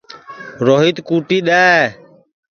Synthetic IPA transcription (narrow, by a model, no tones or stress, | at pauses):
ɾoːɦit̪kuːʈiːɗaː